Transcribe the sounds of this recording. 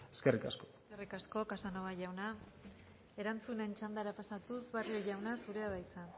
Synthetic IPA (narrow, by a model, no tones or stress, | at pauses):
eskerikasko | erikasko̞kasanoβaʝawna | e̞ɾant͡sune̞nt͡ʃand̪aɾapasat̪usβarioʝawnasuɾe̞aβajt͡sa